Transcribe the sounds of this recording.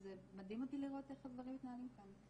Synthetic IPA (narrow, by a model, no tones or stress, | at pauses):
zemad̪imo̞t̪iliʁo̞t̪eχadvaʁimːit̪naalimkan